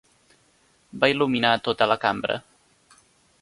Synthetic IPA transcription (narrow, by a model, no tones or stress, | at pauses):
bailuminat̪ot̪ələkambɾə̰